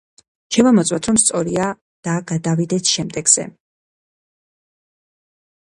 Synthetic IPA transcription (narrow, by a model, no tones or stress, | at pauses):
ʃɛvamɔt̪sʼwat̪ʰɾɔmst̪sʼɔɾia | d̪̥aɡad̪avid̪ɛsʃɛmd̪ɛɡz̥ɛ̰